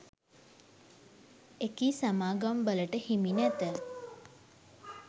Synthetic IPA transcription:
ekiːsamaːɡambələʈəhiminæt̪ə

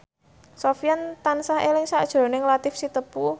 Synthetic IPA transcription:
sofjant̪ansahelɪŋsaʔd̥ʒ̥ɾo̤nɪŋlat̪ɪfsit̪əpu

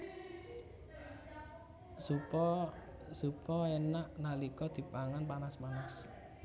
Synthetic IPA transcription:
supɔ | supɔɛnaʔnalikɔd̪̥i̤paŋanpanasmanas

